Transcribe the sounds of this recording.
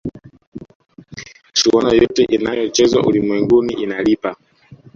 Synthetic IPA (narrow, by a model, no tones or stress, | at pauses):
ʃuɔnajɔtɛʔinajɔt͡ʃɛzwa̰ʔulimwɛŋɡuniʔinalipa